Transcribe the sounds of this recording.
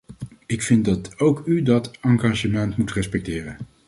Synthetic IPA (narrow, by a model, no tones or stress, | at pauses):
ɪkfɪnt̚dɑtowkydɑtɑŋɡaːʒəmɛntmutrɛspɛk̚tɪːrən